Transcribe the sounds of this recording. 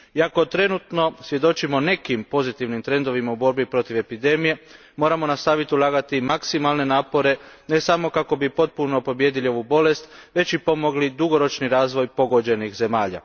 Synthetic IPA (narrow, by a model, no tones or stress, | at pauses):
iako̞t̪ɾe̞nut̪no̞sʋje̞d̪o̞t͡ʃimo̞ne̞kimpo̞zit̪iʋnimt̪ɾe̞nd̪o̞ʋimaubo̞ɾbipɾo̞t̪iʋe̞pid̪e̞mije̞ | mo̞ːɾamo̞nast̪aʋit̪iulˠaːɡat̪imaksimalˠne̞naːpo̞ɾe̞ | ne̞samo̞kako̞bipo̞t̪̚puno̞po̞bje̞ːd̪ilio̞ʋubo̞le̞st̪ʋe̞t͡ɕipo̞mo̞ɡlid̪uɡo̞ɾo̞t͡ʃniɾaːzʋo̞jpo̞ɡo̞d͡ʒe̞nixze̞maːʎa̰